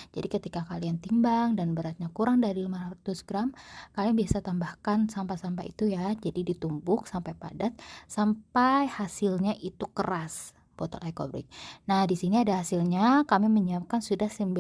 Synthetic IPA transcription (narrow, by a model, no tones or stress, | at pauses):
d͡ʒadikət̪ikakaliant̪imbaŋdanbəɾat̪̚ɲakuɾaŋdaɾilimaɾat̪usɡɾamkalianbiasat̪ambahkansampasampaḭt̪ujad͡ʒadidit̪umbʊksampajpa̰dat̪̚sampajhasɪlɲaʔit̪ukəras | b̥ɔt̪ɔ̰lajko̰bɾɪ̰k̚nahdisiniadahasilɲakamiməɲiap̚kansudahsimb